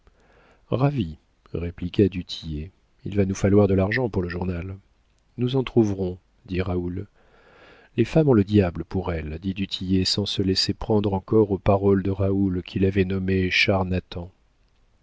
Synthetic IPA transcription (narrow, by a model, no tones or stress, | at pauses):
ʁavi | ʁeplikad̪yt̪ʰije | ḭlvanufalwaʁd̪əlaʁʒɑ̃puʁləʒuʁnal | nuzɑ̃t̪χuvʁɔ̃ | d̪iʁaul | lefamɔ̃ləd̪jabləpuʁɛld̪id̪yt̪ʰijesɑ̃səlɛsepχɑ̃d̪ʁɑ̃kɔʁopaʁɔld̪əʁaulkʲʰilavɛnɔmeʃaʁnat̪ɑ̃